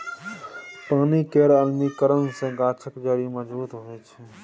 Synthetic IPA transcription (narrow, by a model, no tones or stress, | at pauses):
pãːnikeːɾəlnikəɾənsẽɡãːt͡ʃʰəkd͡ʒaːɾĩməzbuːt̪ɦoet͡ʃʰe